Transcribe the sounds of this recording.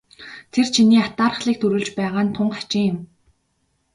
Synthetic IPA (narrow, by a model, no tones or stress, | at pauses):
t̪ʰert͡ɕʰiniːat̪aːɾə̆χɮiːk̚t̪ʰɵɾɵ̆ːɮt͡ɕpæːʁaːnt̪ʰʊɴɢḁt͡ɕɪ̆ŋjʊm